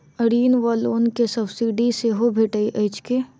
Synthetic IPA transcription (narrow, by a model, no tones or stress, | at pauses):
əɾiːnʋaloːnkesɐbsiːɖiseɦobʱeːʈəiʔəɪt͡ʃke